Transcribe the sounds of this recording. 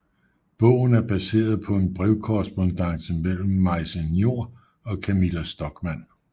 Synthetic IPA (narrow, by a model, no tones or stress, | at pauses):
b̥ɔ̽ʊ̰n̩æɐb̥æse̝̰ːɐð̩ˠpʰɒ̽e̝nb̥ʁɛeʊkʰoʁɛsb̥o̝nd̥ɑ̈ŋ̰̥smel̰m̩ːɑ̈ɪsenjo̝ɐ̰ | ɒ̽kʰæmilæsd̥ɒ̽ɡ̥mæn̰